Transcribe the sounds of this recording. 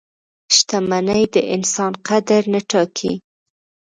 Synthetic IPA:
ʃt̪amanajd̪əʔɪnsɑnqad̪aɾnəʈɑkʰḭ

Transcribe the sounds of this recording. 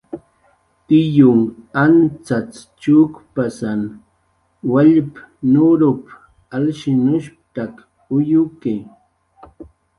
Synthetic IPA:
t̪ɪjʊŋant͡sat͡st͡ʃukpasan | waʎpnʊɾʊp | alʃɪnʊʃp̚t̪ak | ʊjʊke

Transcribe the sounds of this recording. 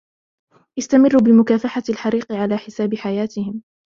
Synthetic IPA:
ʔɪst̪amɪrːubɪmʊkaːfaħalħɑɾiːqɪʕalaːħɪsaːbɪħajaːt̪ɪhɪm

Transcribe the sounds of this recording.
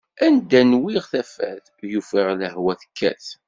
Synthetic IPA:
ænd̪ænwiʁθæfæ̰ð | jufiʁləhwæθə̥kːæ̰θ

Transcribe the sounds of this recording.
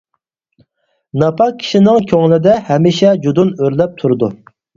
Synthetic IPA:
nɑpʰɑqkʲʰi̥ʃinɪŋkʲʰøŋlɪd̪ɛhɛmiʃɛd͡ʒud̪unøɾlɛp̚t̪ʰuɾʊd̪u

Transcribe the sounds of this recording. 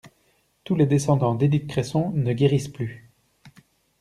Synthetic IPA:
t̪uled̪esɑ̃d̪ɑ̃d̪ed̪ikkχɛsɔ̃nəɡʲeʁisply

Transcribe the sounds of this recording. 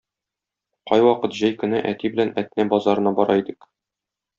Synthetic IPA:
qɒjwɒqɤt̪ʑæjkɘ̆nɘʔæt̪ibɘ̆lænæt̪næbɒzɑɾɤ̆nɑbɒɾɑid̪ɘk

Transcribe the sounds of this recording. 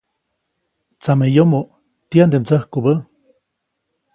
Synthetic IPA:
t͡samejomo | t̪iand̪emt͡səhkubə

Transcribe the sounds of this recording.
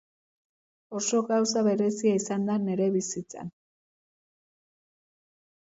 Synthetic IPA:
o̞so̞ɣawsaβe̞ɾe̞siaisand̪ane̞ɾe̞βisit͡sa̰n

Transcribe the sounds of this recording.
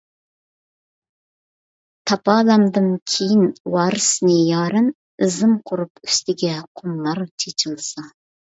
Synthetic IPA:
t̪ʰɑpʰɑːlɑmd̪ɨnkʲʰejinwɑːɾɨsnɨjɑːɾɨn | ɨzɨmqʰʊɾupyst̪ɪɡʲɛqʰʊmːɑɾt͡ʃʰet͡ʃʰɨlˠsɑ

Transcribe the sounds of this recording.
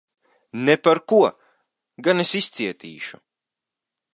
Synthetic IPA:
nepaɾkuɔ | ɡanesist̪siɛt̪ḭːʃu

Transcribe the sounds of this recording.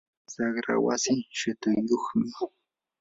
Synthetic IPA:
sɑχɾa̰wasɪʃat̪ʊjoχmɪ

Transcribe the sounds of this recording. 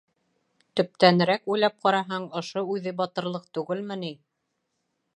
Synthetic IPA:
t̪ɵ̆p̚t̪ænɘ̆ɾækujlˠæp̚qɑɾɑɦɑɴŏʃoʉðɘbɑt̪ɤ̆ɾlˠɤq̚t̪ʉɡɘlmɘ̆ni

